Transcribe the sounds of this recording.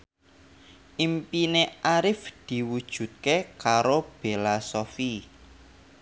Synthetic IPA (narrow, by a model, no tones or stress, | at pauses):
ʔimpineaɾɪfd̪̥i̤wud̥ʒ̥ṳt̪̚kekaɾob̥elasofi